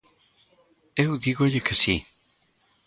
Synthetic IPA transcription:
ewðiɣoʎɪkɪsi

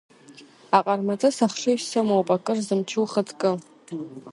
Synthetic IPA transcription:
aqʼarmat͡sʼɨsaχʂɨʃsɨmowpʼakʼɨrzɨmt͡ʃʰɨwχətʰʼkʼɨ

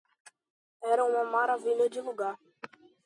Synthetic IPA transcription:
ɛɾɐũmɐmaɾaviʎɐd͡ʒɪluɡaɾ

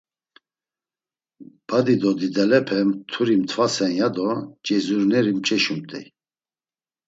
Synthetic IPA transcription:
b̥ad̪id̪ɔd̪id̪ɛlɛpʰɛmt̪ʰuɾimt̪ʰvasɛnjad̪ɔt͡ʃʼɛzuɾnɛɾimt͡ʃʼɛʃumt̪ʼɛ̰j

